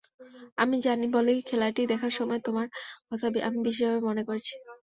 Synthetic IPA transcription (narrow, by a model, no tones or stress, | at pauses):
amid͡ʑanibolejkʰɛlaʈid̪ɛkʰaɾʃɔmɔet̪omaɾkɔt̪ʰabiʔamibiʃeabemonekoɾet͡ɕʰi̥